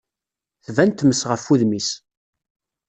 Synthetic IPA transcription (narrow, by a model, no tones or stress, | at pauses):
θvænt̪ːməsʁəfːuðmis